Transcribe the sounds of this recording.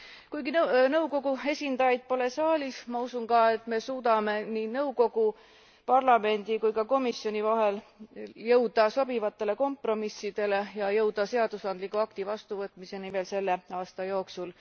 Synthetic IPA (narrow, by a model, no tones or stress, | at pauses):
kujɡinnɤwko̞ɡue̞sʲind̪̥ɑjɑjd̪̥̚po̞le̞sɑːlʲismɑusunkɑe̞t̪ːˑme̞suːd̪̥ɑme̞niːnɤwko̞ɡ̥u | pɑrlɑme̞nd̪̥ikujkɑko̞misjo̞nivɑɦe̞ljɤwd̪̥ɑso̞b̥ivɑt̪ːˑe̞le̞ko̞mpro̞misːid̪̥e̞le̞jɑjɤwd̪̥ɑse̞ɑd̪̥usɑnd̪likːˑuɑkt̪ivɑst̪uvɤt̪ːˑmise̞nime̞ːlse̞lːe̞ɑːst̪ɑjo̞ːksul